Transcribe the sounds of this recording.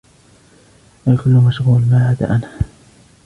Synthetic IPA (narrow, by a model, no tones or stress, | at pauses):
ʔajkʊlːʊmaʃɣuːlmaːʕaːd̪a̰ʔana